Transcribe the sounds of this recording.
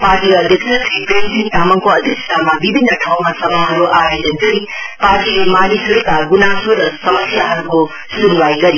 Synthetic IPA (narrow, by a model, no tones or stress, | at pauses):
paɾʈiɡɐːd̪ʱiksɐpʰɾipɾensiŋtamaŋkoɐd̪ʱikstamɐbibʱinːɐʈʰawmasɐmaɦɐɾuʔaɾajd͡ʒenkɐɾi | paɾtiɡimanisuɾukaɡunasuɾsɐmɐsiaɦɐɾuko | sunwajɡɐɾi